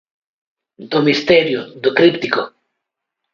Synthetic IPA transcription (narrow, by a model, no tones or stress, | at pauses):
d̪omist̪ɛɾjʊd̪okɾipt̪iko̰